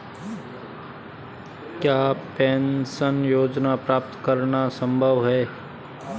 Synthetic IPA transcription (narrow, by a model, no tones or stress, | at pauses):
kjaːpɛ̃ːnsənjoːd͡ʒnapɾaːp̚t̪kəɾnasə̃mbʱəʋɦɛː